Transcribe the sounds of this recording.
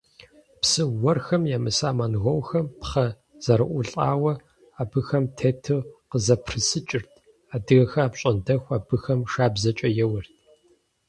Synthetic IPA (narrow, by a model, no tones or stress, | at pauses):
psɨwːɔrxɐmjaːmɨsaːmanɣʷɐwxɐmpχɐ | z̥ɐɾɨʔʷʊɬʼaːwɐ | aːbɨxɐmtʰeːtʰɨqəzɐpʰrɨsɨt͡ʃʼɪrtʰ | aːdɨɣɐxɐaːpɕʼɐndɐxʷaːbɨxɐmʂaːbzɐt͡ʃʼɐjɛwɐrtʰ